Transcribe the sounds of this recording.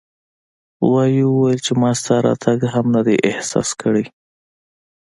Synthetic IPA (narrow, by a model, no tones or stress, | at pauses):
wɑjiwəwajəlt͡ʃemɑst̪ɑɾɑ̰t̪ʰaɡɦamnad̪eʔɪhsɑ̰skəɽe